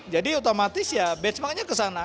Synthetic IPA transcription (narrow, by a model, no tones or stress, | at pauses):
d͡ʒadiut̪omat̪ɪsjabɛt̪smakaɲakəsana